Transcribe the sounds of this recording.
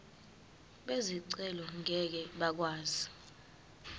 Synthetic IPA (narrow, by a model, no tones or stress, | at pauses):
ɓeziǀɛlɔŋʱɛk̬ɛɓak̬waːzi